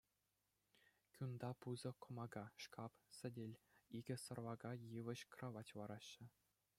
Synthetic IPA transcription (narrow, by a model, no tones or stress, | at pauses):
kʲund̪ɑpuzɤ̆kŏmɑɡɑʂkʰɑpsʲɘ̆dʲelʲiɡʲɘ̆sɤ̆rʋɑɡɑjɯʋɘ̆ɕkrɑʋɑtʲʋɑɾɑɕːɘ̆